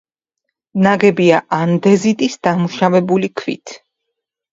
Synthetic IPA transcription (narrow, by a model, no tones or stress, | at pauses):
naɡɛbiaʔand̪ɛzit̪ʼisd̪amuʃavɛbulikʰvḭt̪ʰ